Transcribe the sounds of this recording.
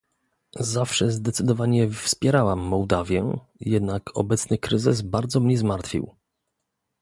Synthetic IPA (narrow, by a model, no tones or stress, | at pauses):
zafʂɛzd̪ɛt̪sɘd̪ɔvaɲɛfspʲjɛɾawamːɔwd̪avʲjɛ | jɛd̪nakʰɔ̰bɛt̪snɘkɾɘzɘsbaɾd̪zɔmɲɛzmaɾt̪fʲḭw